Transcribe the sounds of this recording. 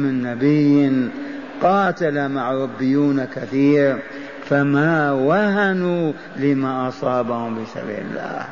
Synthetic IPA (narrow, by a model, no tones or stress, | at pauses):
mɪnːabɪjː | qɑːt̪alamaʕɾˤɑbːɪjːuːnakaθiːɾ | famawahanu | lɪmaʔɑsˤɑːbahʊmbisa̰bḭːlɪ̰lːa̰ːh